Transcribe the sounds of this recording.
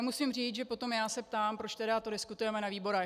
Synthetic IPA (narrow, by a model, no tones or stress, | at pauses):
musimriːt͡sʒɛpo̞t̪o̞mjaːsɛp̚t̪aːmpɾot͡ʃt̪ɛdat̪o̞dɪskut̪ujɛmɛnaviːbo̞ɾɛ